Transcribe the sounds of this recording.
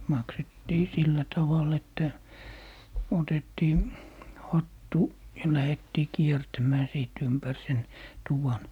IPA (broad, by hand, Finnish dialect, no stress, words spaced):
mɑksetːiː silːæ tɑʋɑl etːæ otetːiː hɑtːu jɑ læhetːiː kiertæmæː siˑt ympær sen tuʋɑn